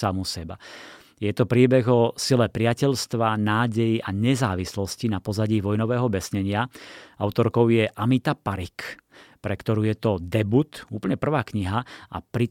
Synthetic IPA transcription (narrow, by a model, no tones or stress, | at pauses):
amusɛba̰ | jɛt̪ɔpɾiːbɛɣɔsilɛːpɾɪacɛʎst̪ʋanaːɟɛjiʔaɲɛzaːʋislɔscinapɔzaɟiːʋɔjnɔʋɛːɦɔbɛsɲɛɲɪaaʊt̪ɔɾkɔʊjɛʔamit̪apaɾikpɾɛkt̪ɔɾuːjɛt̪ɔd̪ɛbut̪uːpl̩ɲɛpr̩ʋaːkɲiɦaa̰pɾi